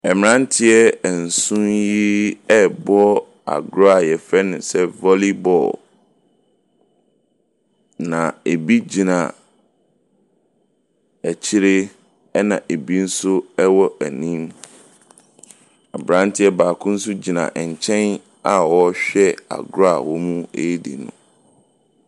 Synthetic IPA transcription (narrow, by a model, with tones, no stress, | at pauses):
ɛ˨m˨ɾã˦n˦tʰɪ˦ɛ˦˨n̩˨sũ˦nji˦ɛ˦bɔ˦ | a̰˨ɡɾa˨jɛ˨fɛ˦nʊ̃˨sɛ˦vɔ˦li˦bɔ̰˨l | nã˨e˨bi˦d͡ʑi˨nã̰˨ | æ˨t͡ɕʰɪ˦ɾɪ˦ | ɛ˦nã˨ʔe˨bi˦n̩˦sʊ˦ɛ˦wɔ˦ʔæ˨nĩ˦m | a˨bɾã˦n˦tʰɪ˦ɛ˦baː˨kʰʊ̃˦n̩˦sʊ˦d͡ʑi˨nã̰˨ʔɛ˨ɲ˨t͡ɕʰɛ̃˦n | a˨wɔ˦ɕᶣɛ˦a̰˨ɡɾa˨wɔ˦mũ˦ḛ˨˦dḭ˨nṵ̃˨